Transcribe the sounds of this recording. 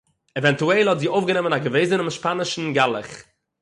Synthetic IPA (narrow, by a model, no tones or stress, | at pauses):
ɛvɛntuɛlˠhɔtziːʔoʊfɡənɛmənaɡəveɪzənɪmɪʃpanɪʃn̩ɡalˠə̰χ